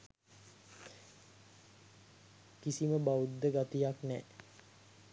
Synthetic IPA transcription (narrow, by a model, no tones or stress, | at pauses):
kisiməbaud̪ːəɡat̪ijaknɛ̰ː